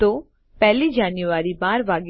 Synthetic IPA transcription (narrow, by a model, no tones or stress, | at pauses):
t̪oː | pɛɦlid͡ʒaːnjuʋaːɾibaːɾʋaːɡ